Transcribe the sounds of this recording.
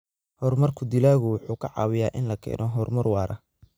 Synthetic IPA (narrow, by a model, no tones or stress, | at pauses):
hɔrmɐrkʰʊd̪ɪlaːɣʊwʊħuːkʰɐʕɑ̰ːwɪjaːʔɪnlɐkʰɛ̰ːnʔɔɦɔrmɐrwɑːɾʔɐ̰